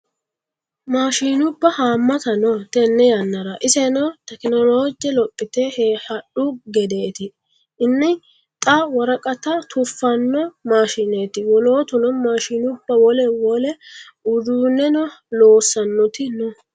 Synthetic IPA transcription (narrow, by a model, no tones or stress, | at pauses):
maːʃiːnʊbːɐhaːmːɐt̪ɐnɔt̪ɛnːɛjɐnːɐɾɐʔɪsɛnɐt̪ɛkɪnɔloːd͡ʒɛlɔpʼːɪt̪ɛheːhɐɗʊɡɛd̪e̞ːt̪ɪ | ɪnːɪ | t̪ʼɐwɐɾɐkʼɐt̪ɐt̪ʰʊfːɐnːɔmaːʃineːt̪ɪwɔloːt̪ʊnɔmaːʃiːnʊbːɐwɔlɛwɔlɛ | ʊd̪uːnɛnɔloːsːɐnːɔt̪ɪnɔ